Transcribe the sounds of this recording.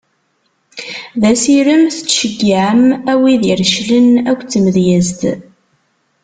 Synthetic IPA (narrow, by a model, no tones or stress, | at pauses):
ðæsiɾəmθə̥t͡sːʃəɡːʕəmæwiðiɾʃlənækʷːt͡sːəməðjæzt̪